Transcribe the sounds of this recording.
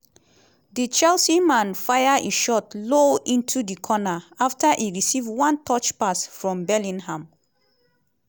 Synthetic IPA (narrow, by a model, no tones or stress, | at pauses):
dit͡ʃɛlsimãnfajaʔiʃɔtloĩntʰudikʰɔnaaftaʔiɹisivwãntʰɔt͡ʃpasfɹɔ̃mbɛlĩnhãm